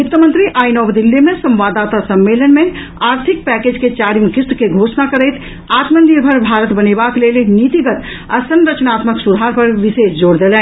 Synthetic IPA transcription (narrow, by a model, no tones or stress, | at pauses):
jut̪əmənt̪ɾiʔajnɔbd̪ilːemesə̃mʋad̪at̪asəmːelənme | aɾt̪ʰik̚pɛked͡ʒket͡ʃaɾimkist̪keɡʱosnakəɾəjt̪ | at̪mənd̪iɾbʱəɾbʱaɾət̪bənebaklelnit̪iɡət̪ | a̰sənɾət͡ʃnat̪məksud̪ʱɦaɾpəɾʋisesd͡ʒoɽd̪elɛn